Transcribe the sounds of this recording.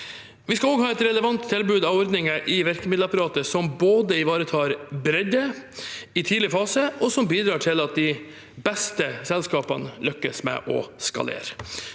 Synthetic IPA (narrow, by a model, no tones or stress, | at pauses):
ʋɪskɑoːɡhɑːɛt̪ɾɛləʋɑnt̪ʰːɪlbʉːd̪ɑʋɔɾd̪nɪŋəʔɪʋæɾkəmɪd̪l̩ɑpɑɾɑːt̪əsɔmboːd̪əɪʋɑːɾət̪ʰɑːɾbɾɛd̪ə | ɪt̪ʰiːlɪəfɑːsəʔɔsɔmbiːd̪ɾɑːʈʰɪlɑt̪̚d̪ɪ | bɛst̪əsɛlskɑːpɑnəlœkːəsmɛ̰ʔɔ̰skɑ̰lḛːɾ